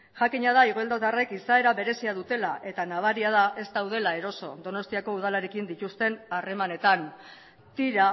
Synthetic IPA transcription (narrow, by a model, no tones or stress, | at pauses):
ʝakiɲað̞aiɣ̞oeld̪at̪arekisae̞ɾaβe̞ɾe̞siað̞ut̪e̞laʔe̞t̪anaβ̞aɾiaðaʔe̞zt̪awðe̞lae̞ɾo̞so̞d̪o̞no̞st̪iako̞uð̞alaɾe̞kind̪it̪ust̪e̞nare̞mane̞t̪an | t̪iɾa